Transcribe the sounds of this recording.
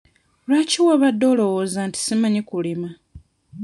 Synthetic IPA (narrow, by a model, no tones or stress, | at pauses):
lwaːciwaβadːo̞ːlo̞woːzanti̥simaɲikulima